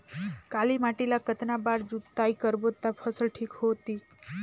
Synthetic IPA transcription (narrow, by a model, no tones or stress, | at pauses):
kalimaʈilakət̪nabaɽd͡zut̪t̪ajkəɾbot̪ːapʰəsəlʈʰiːkhot̪iː